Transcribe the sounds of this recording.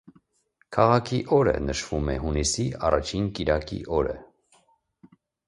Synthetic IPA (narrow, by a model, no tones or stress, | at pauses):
kʰɑʁɑkʰiʔɔɾə̰nəʃv̥umɛɦunisiɑrʔɑt͡ʃʰinkiɾɑkḭʔɔɾə̰